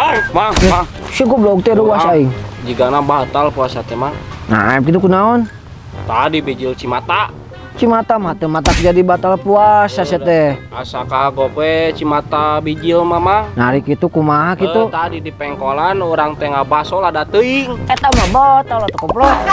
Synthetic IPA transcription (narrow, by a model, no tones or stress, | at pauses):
maasikuplɔk̚t̪ɛɾuwasaiŋd͡ʒiɡanabat̪alpuasat̪ɛmana̰kit̪ukunaɔn | t̪adibid͡ʒilt͡ʃimat̪a | t͡ʃimat̪amat̪əmat̪akd͡ʒadibat̪alpuasasɛt̪ɛasakaɡokwɛt͡ʃimat̪abid͡ʒilmamanaɾikit̪ukumaɦakiut̪adidipɛŋkolanuɾaŋt̪eŋabasoladat̪əiŋɛt̪amabat̪alat̪əkɔplɔ